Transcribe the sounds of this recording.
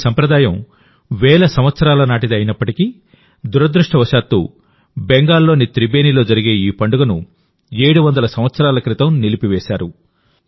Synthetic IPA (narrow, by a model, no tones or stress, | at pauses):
sɐmpɾɐd̪aːjɐm | ʋɛːɭɐsɐmʋɐt̪sɐɾaːlɐnaːʈid̪iɐjinɐpːɐʈiki | d̪uɾɐd̪ɾuʂʈɐʋɐʃaːt̪ːṵː | beŋɡaːlːo̞ːnit̪ɾibe̞ːnilo̞ːd͡ʒɐɾiɡe̞ːiːpɐɳɖuɡɐnu | e̞ːɽuʋɐnd̪ɐlɐsɐmʋɐt̪sɐɾaːlɐkɾit̪ɐmnilipiʋɛːʃaːɾu